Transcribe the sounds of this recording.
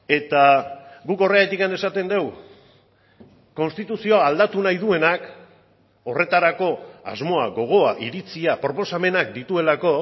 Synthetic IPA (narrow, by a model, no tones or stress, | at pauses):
e̞t̪aɡuko̞reaet̪ikane̞sat̪e̞nd̪e̞w | ko̞nst̪it̪usio̞aːld̪at̪unajðue̞nak | o̞re̞t̪aɾako̞a̰zmo̞aɡo̞ɣ̞o̞aʔiɾit͡siapɾo̞po̞same̞nak̚d̪it̪ue̞lako̞